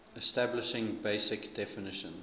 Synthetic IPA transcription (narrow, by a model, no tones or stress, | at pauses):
ɛstæblɪʃɪ̃ŋbeɪsɪkd̥ɛfɪnɪʃə̃n